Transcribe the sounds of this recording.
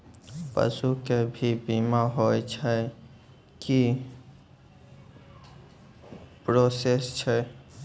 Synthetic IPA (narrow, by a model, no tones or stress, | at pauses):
pə̰sukebʱibimaɦojt͡ʃʰə | ki | pɾosest͡ʃʰɛ